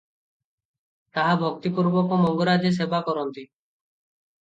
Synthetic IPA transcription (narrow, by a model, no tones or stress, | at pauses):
t̪aɦabʱɔk̚t̪ipuɾbɔkomɔŋɡɔɾad͡ʒes̬ebakɔɾɔnt̪i